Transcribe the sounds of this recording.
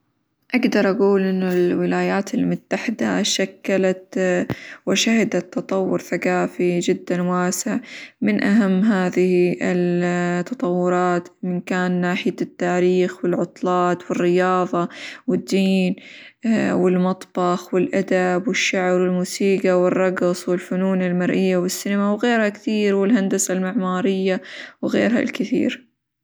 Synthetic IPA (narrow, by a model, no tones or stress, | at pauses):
ʔaɡd̪ɑɾˤʔaɡuːlʔɪnːʊlwɪlaːjaːt̪ɪlmʊt̪ːaħɪd̪a̰ʃakːalat̪ | wɪʃahɪd̪at̪ːɑt̪ˤɑwːʊɾθakaːfid͡ʒɪd̪ːanwaːsɪʕmɪnʔaɦamːɦaːðɪhiɪlt̪ːɑt̪ˤɑwːʊɾˤɑːt̪mɪnkaːnːaːħɪjat̪ːaːɾiːxwɪlʕʊt̪ˤlɑːt̪wɪrːɪjɑːðˤɑwɪd̪ːiːn | wɪlmɑt̪ˤb̥ɑxwɪlʔad̪abwɪʃːaʕbɾwɪlmuːsiːɡawɪrˤːɑɡsˤwɪlfʊnuːnɪlmaɾʔɪjːawɪsːinɪmawɣeːɾhakθiːɾwɪlɦand̪asalmɪʕmaːɾɪjːawɣḛːɾɦa̰lkɪθḭːɾ